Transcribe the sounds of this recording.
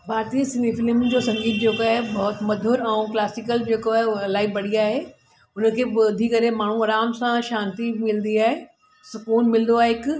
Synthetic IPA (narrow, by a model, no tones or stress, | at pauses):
baːɾt̪isɪnifɪlmd͡ʑoːsɐ̃ŋɡiːt̪̚d͡ʑeːkoaːɦebɐɦʊt̪mɐd̪ʱʊɾɛ̃ũklaːsɪkəld͡ʑeːkoaːɦelaːibɐɽ̤iaːɦe | ʊnə̆kʰeːbd̪ʱikɐɾemaːɳ̤uɐɾaːmsãʃãːnt̪imɪlnd̪iaːɦe | sʊkuːnmɪlnd̪oaːɦeɪk